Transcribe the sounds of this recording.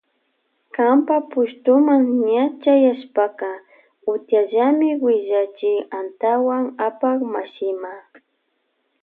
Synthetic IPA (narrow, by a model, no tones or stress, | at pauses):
kampapʊʃt̪ʊmaŋɲat͡ʃajaʃpakɑ | ʊt̪jaʒamɪwɪʒat͡ʃɪant̪awaŋapakmaʃɪma